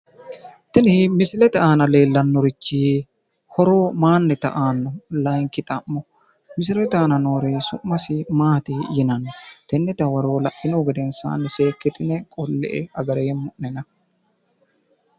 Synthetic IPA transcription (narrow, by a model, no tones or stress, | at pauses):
t̪ɪnɪmɪsɪlɛt̪ɐaːnɐle̞ːlːɐnːɔɾɪt͡ʃːi | hɔɾoːmaːnːɛt̪ɐʔaːnːɔlɐjŋkːɪt̪ʼɐmːɔ | mɪsɪlɛt̪aːnɐnoːɾeːsʊʔːɐsɪmaːt̪ɪjɪnɐnːt̪ɛnːɛt̪ɐwɐɾoːlɐʔɪnoːɡɛd̪ɛnsa̰ːnːɛseːkːɛt̪ɪnɛkʼɔlːɛ̰ʔɛɐɡɐɾɛjɛmːʊʔnɛnɐ